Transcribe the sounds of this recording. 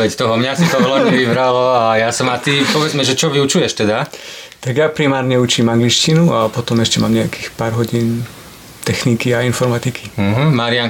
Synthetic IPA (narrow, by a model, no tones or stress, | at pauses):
ʋɛct̪ɔɦɔmɲasit̪ɔɦɔlɔɲɛʋiʋɾalɔajasɔmat̪ipɔʋɛd͡zmɛʒɛt͡ʃɔʋiut͡ʃujɛʃt̪ɛd̪at̪aɡjapɾimaːɾɲɛut͡ʃiːmaŋɡliʃcinuapɔt̪ɔmɛʃcɛmaːmɲɛaki̥ːxpaːɾɦɔɟiːn | t̪ɛxnikiainfɔɾmat̪ikʰi̥ɦ̩maɾiaŋ